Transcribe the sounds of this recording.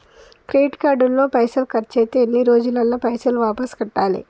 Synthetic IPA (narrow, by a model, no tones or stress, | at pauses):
kɾeːʈkaːɖulːo̞ːpɐjsɐlkɐɾt͡ʃeːt̪eːnːiɾo̞ːd͡ʒunɐlːɐpɐjsɐlʋaːpɐskɐʈːaːlḭ